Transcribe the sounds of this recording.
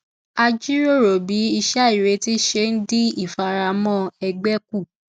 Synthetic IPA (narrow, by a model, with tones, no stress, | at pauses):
a˧d͡ʒi˦ɾo˦˨ɾo˨bi˨˦i˧ʃa˦i˨ɾe˨˧˦ti˦ʃe˧n̩˦di˦i˦˨fa˧ɾa˧mɔ̃˦˨ɛ˧ɡ͡bɛ˦ku˦˨